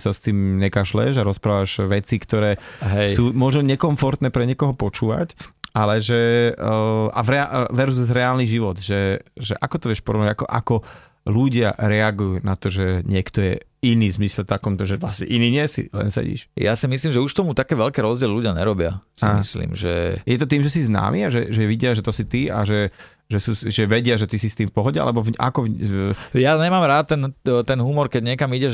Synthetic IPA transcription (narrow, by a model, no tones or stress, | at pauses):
sast̪iːmɲɛkaːʒlɛ̰ʒaɾɔspɾaːʋaʒʋɛt͡sikt̪ɔɾɛːɦɛjuːmɔʒnɔɲɛkɔɱfɔɾt̪nɛːpɾɛɲɪɛkɔɦɔpɔt͡ʃuːʋa̰calɛʒɛ | a̰ʋɾɛaʋɛɾzzɾɛaːlniʒiʋɔd̪ʒɛʒɛʔakɔt̪ɔʋɪɛʃpɔɾɔʋnaɟakɔ̰ʔa̰kɔ | luɟɪaɾɛaɡujuːnat̪ɔʒɛɲɪɛkt̪ɔjɛ | iniːzmislɛft̪akɔmt̪ɔʒɛʋlasɲɛ̰ʔiniːɲɪɛsḭlɛ̰nsɛ̰ɟḭːʃja̰simisliːmʒɛuʃt̪ɔmut̪akɛːʋɛlkɛːɾɔzdɟɪɛlɛluɟɪaɲɛɾɔbɪasamḭslḭːmʒɛ̰jɛt̪̬ɔt̪iːmʒɛsizna̰ːmʔiaʒɛʒɛʋiɟɪaʒɛt̪ɔsit̪ia̰ʒɛ | ʒɛsuːsʒɛʋɛɟɪaʒɛt̪isist̪iːmfpɔɦɔɟɛa̰lɛbɔʔa̰kɔvjaɲɛmaːmɾaːt̪ːɛnt̪ɛnɦumɔɾkɛɟɲɛkamiɟɛ